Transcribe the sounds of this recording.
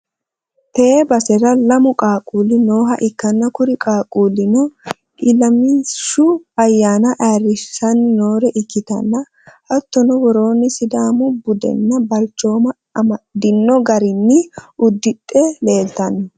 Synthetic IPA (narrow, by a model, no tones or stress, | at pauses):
t̪eːbɐsɛɾɐlɐmʊkʼaːkʼuːlɪnoːɦɐʔɪkːɐnːɐkʊɾɪkʼaːkʼuːlɪnɔ | ʔɪlɐmiʃʊɐjːaːnɐʔaːrːɪsɐnnoːɾɛʔɪkːɪt̪ɐ̰nːɐ | hɐt̪ːɔnɔwɔɾo̞ːnːɪsɪd̪aːmʊbʊd̪ɛ̰nːɐbɐlt͡ʃːo̞ːmɐ | ɐmɐd̪ɪnːɔɡɐɾɪnːɪʊd̪ːɪt̪ʼːɛle̞ːlt̪ɐn